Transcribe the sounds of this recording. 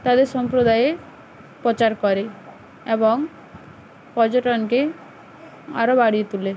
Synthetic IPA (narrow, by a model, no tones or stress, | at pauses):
t̪ad̪eɾsɔmpɾod̪aje | pɔt͡ʃaɾkɔɾe | ebɔŋ | pɔd͡ʒoʈɔnke | a̰ɾobaɽiet̪ule